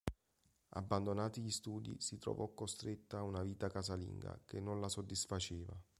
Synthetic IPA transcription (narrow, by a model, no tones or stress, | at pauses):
a̰bːand̪onaːt̪iʎist̪uːd̪ḭsit̪ɾo̰vɔkːost̪ɾet̪ːaːunaviːt̪akazalḭŋɡa̰kenːonlasod̪ːisfat͡ʃɛːva̰